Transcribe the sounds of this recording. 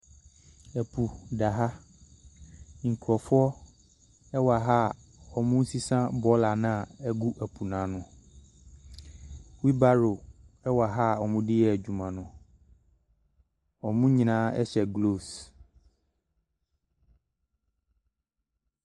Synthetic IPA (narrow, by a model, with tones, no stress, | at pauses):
ɛ˨pʰu˨da˨ɦa˦ | ŋ̩˨kʰɔ˨fʊ˦ɔ˦ | ɛ˦wa˨ɦa˦˨ | ɔ˨mũ˦n̩˦si˦sã˦bɔ˦la˨nã˦˨ɛ˦ɡu˦ʔɛ˨pʰu˨nã˨nʊ̃˨ | wi˦ba˦ɾo˨ɛ˦wa˨ɦa˦ɔ˨mũ˦dɪ˦jɛ˦˨d͡ʑu˨mã˨nʊ̃˨ | ɔ˨mũ˦ɲĩ˨nãː˦ɛ̰˦ɕɛ˨ɡlo˦˨s